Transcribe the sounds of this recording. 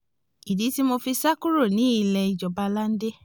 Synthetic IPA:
i˨di˨˦ti˦mo˧fi˧sa˦ku˦ɾo˦˨nĩ˨˦i˧lɛ˧i˨d͡ʒɔ˨ba˧la˦n̩˦de˦

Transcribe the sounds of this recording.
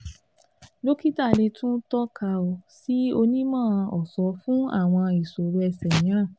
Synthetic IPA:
lo˦ki˦ta˦˨le˧tũ˦tɔ˦ka˧o˧si˦o˧nĩ˦mãː˦˨ɔ˨sɔ˧˦fũ˦a̰˦˨w̃ɔ̃˧i˨so˨ɾu˧˦ɛ˧sɛ˨nĩ˨˦ɾ̃ã˦˨

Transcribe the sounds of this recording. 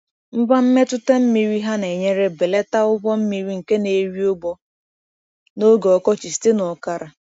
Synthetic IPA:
m̩˦ba˦m̩˦me˦tʊ˦te˦m̩˦mi˨ɾi˦ɦa˦ne˨ɲe˦ɾe˦be˨le˦ta˦ʊ˦bɔ˦m̩˦mi˦ɾi˦ŋ̩˨ke˦ne˨ɾi˦o˦ɡ͡bɔ˦ | no˦ɡe˨ɔ˨kɔ˦t͡ʃi˨ste˦nɔ˨ka˦ɾa˨

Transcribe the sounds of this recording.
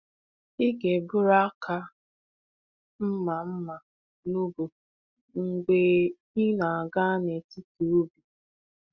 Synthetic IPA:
i˦ɡe˨bʊ˦ɾa˦kʰa˦ | m̩˦ma˨m̩˦ma˨ | nu˦bo˨ | ŋ̩˨ɡ͡be˦ | i˦na˨a˨ɡa˦ne˨ti˦tu˨u˦bi˨

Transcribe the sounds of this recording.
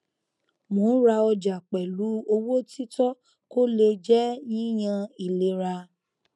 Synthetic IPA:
mõ˨˦ɾa˧ɔ˧d͡ʒa˨k͡pɛ˨lu˨˦o˧wo˦ti˦tɔ˦ | ko˦le˧d͡ʒɛ˦nĩ˦j̃ã˧i˨le˨ɾa˧

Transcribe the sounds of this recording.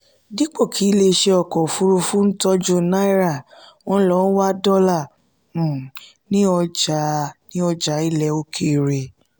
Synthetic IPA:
di˦k͡po˦˨kʰi˨˦le˧ʃe˧ɔ˧˨kɔ˨fu˦ɾu˧fũ˦n̩˦tɔ˦d͡ʒo˦na˦i˦ɾa˦˨wɔ̃˧˦lɔ˧˦n̩˦wa˦dɔ˦lã˦˨ | nĩ˦ɔ˧d͡ʒa˨˦nĩ˦ɔ˧d͡ʒa˨˦i˦˨lɛ˧˦o˧˦kʰe˧˨ɾe˨

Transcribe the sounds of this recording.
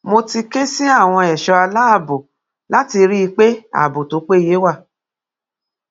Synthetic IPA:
mo˧ti˧ke˦si˦a˦˨w̃ɔ̃˧ɛ˨ʃɔ˧a˧la˦a˦˨bo˨ | la˨˦ti˧ɾi˦i˧k͡pe˦a̰˨bo˨to˨˦k͡pe˦˨je˨˦wa˦˨

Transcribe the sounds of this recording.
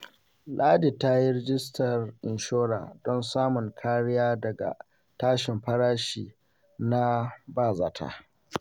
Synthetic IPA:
laː˦di˨ta˦ji˦ɾɪ˦d͡ʒɪ˦stʰɐ˨rʔɪ˨nʃoː˦ɽa̰ː˨dɔ˦nsaː˦mʊ˨ŋkʰaː˦ɽɪ˦jaː˦dɐ˨ɡa̰˨ | taː˦ʃɪ˨mɸɐ˦ɽaː˦ʃiː˨ | na˦baː˦˨zaː˨tʰa̰ː˨

